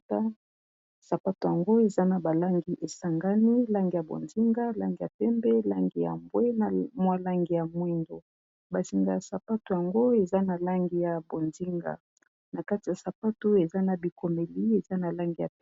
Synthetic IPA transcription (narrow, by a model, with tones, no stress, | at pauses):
a˦ | sa˨pa˦to˨ja˨ŋɡo˦e˨za˦na˨ba˨la˦ŋɡi˨ʔe˨sa˨ŋɡa˦ni˦la˦ŋɡi˨ja˨bo̰˨nzi˦ŋɡa˦la˦ŋɡi˨ja̰˨pɛ˦mbɛ˦la˦ŋɡi˨ja̰˨mbwɛ˦na˨mwa˦la˦ŋɡi˨ja˨mwɛ˦ndo̰˨ | ba˨si˨ŋɡa˨ja˨sa˨pa˦to˨ja˨ŋɡo˦e˨za˦na˨la˦ŋɡi˦ja˨bo˨nzi˦ŋɡa̰˨ | na˨ka˦ti˨ja˨sa˨pa˦to˦e˨za˦na˨bi˨ko˨me˨li˦e˨za˦na˨la˦ŋɡi˦˨ja˨